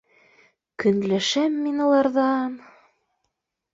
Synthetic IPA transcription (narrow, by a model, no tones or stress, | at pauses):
kɵ̆nlæʃæmːinulˠɑɾðɑn